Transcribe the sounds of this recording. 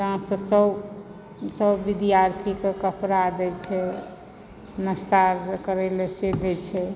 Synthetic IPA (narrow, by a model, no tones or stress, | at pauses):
tɦãsə̃səb | səbːid̪ijaɾt̪ʰikekəpɾad̪ɛt͡ʃʰɛ | nəst̪aɾkəɾɛlesed̪ɛt͡ʃʰɛ